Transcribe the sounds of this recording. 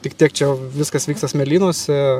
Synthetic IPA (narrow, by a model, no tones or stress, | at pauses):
t̪ʲɪkt̪ʲiɛk̚t͡ʃʲɛjɛʊʋʲɪskɐsʋʲiːkst̪ɐsmʲɛlʲiːnoːsʲɛ